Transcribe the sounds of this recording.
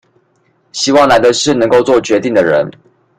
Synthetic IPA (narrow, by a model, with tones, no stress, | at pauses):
ɕi˧˥wɑ˥˩ŋla˧˥ɪd̪ə˧ʂɻ̩˥˨nə˧˦ŋko˥˧ʊt͡swɔ˥˨˩t͡ɕɥɛ˧˥t̪i˥˩ŋd̪ə˩ɻə̰˧˦n